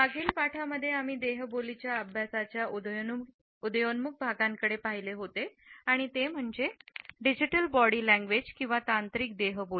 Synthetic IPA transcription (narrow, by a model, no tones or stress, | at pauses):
aɡʱiːlpaʈʰaməd̪ʱːjeamiːd̪eɦbolit͡ɕjaəbʱjasat͡ɕja | ud̪jonmuk̚bʱaɡãŋkəɽepaɦileɦot̪eaɽ̃it̪em̤əɳd͡ʑeɖid͡ʑiʈəlbɔɽiːlæ̃ŋɡʋed͡ʑkĩw̃ʋat̪ant̪ɾiːk̚d̪eɦəbo